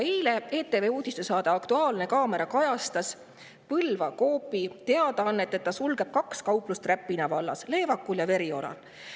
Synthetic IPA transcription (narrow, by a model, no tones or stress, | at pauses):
ejle̞eːt̪ːˑe̞veːuːd̪̥ʲist̪esɑːd̪ɑɑkt̪uɑːlne̞kɑːme̞ɾɑkɑjɑst̪ɑs | pɤlvɑko̞ːpːˑit̪e̞ɑd̪̥ɑɑnːet̪ːˑe̞t̪ːɑsulɡ̥e̞b̥̚kɑkskɑwplust̪ræpːinɑvɑlːɑ̰sle̞ːvɑkːuljɑve̞ɾio̞lɑ̰l